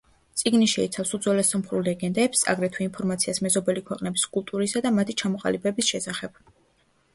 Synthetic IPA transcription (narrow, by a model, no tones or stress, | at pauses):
t̪sʼiɡniʃɛit̪sʰafsud̪zɔlɛsɔmχɾulɛɡɛnd̪ɛpsa̰ɡɾɛt̪ʰwiinpʰɔɾmat̪sʰiasmɛzɔbɛlikʰwɛqʼnɛbiskʼulˠt̪ʼuɾisad̪amat̪ʰit͡ʃʰamɔqʼa̰libɛbisʃɛsaχɛb̥